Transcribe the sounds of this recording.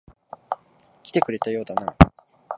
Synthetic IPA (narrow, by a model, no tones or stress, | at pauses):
kʲi̥t̪e̞kɯ̟ɾe̞t̪ajo̞ːd̪ana